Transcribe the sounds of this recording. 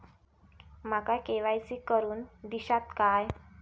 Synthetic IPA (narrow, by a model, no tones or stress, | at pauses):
makakeʋajsikəɾuːnd̪iɕat̪kaj